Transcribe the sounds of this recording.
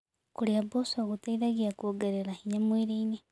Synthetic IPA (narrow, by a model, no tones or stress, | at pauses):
kuljabosoɣutaiðaɣiakoɡeɾeɾahiɲamwiɾiini